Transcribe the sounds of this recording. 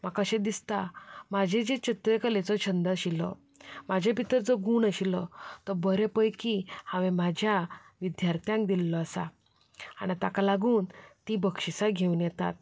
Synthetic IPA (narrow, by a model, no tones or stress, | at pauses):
makəɕẽd̪ist̪amad͡ʑʱed͡ʑet͡ɕət̪ʋekəlet͡sɔt͡ɕʰənd̪əɕilɔ̰ | mad͡ʑʱepit̪əɾd͡zəɡuːɳəɕilɔt̪əbəɾepəjkihãʋemad͡ʑʱja | ʋid̪jaɾt̪ʰjãŋk̚d̪ilːɔasa̰ | a̰ɽ̃it̪akalaɡuːnt̪ibəkʂisaɡʱeunjɛt̪a̰t̪̚